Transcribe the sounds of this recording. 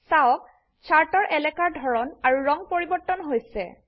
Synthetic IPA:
sawɔk | t͡ʃʰaɹtɔɹʔɛlɛkaɹdʱɔɹɔnaɹuɹɔŋpoɹibɔɹtːɔnɦojsɛ̰

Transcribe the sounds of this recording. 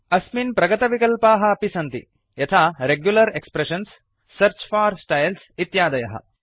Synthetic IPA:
ɐsminpɾɐɡɐt̪ɐʋikɐlpaːɦɐːpisɐnt̪ḭ | jɐt̪ʰaːɾeɡjulɐɾekspɾeʃɐnsː | ɐɾt͡ʃfaːɾsʈɐjlsit̪jaːd̪ɐjɐɦɐ̰

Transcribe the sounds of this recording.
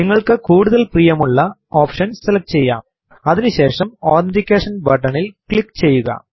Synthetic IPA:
niŋːɐɭkɨkuːɽuðɐlpriːjɐmuɭːɐoːpʂɐnselɐk̚ʈt͡ɕe̞jːa̰ːm | ɐðinuɕe̞ːʂɐmoːɾendikʲːeːʂɐnbɐʈːɐɳilkɭikːt͡ɕe̞jːuɣɐ̰

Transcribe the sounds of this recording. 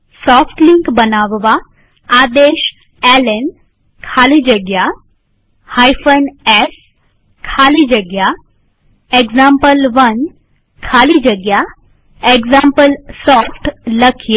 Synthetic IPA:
sɔfʰʈliŋkbənaːʋʋaː | d̪eʃ | ɛlen | kʰaːlid͡ʒəɡja | hajfənɛs | kʰaːlid͡ʒəɡja | eɡzãmpəlʋən | kʰaːlid͡ʒəɡja | eɡzãmpəlsɔːfʈləkʰj

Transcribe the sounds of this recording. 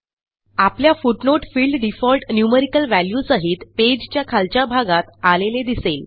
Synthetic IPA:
apljafuʈnoʈfiːlɖɖifɔlʈnjuməɾikəlʋæljuːsəɦiːt̪ped͡ʑt͡ɕjakʰalt͡ɕabʱaɡat̪aleled̪isel

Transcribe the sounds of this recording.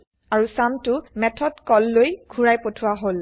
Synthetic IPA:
aɹusamtʊmɛtʰɔdkɔlːojɡʰʱuɹajpotʰʊwaɦol

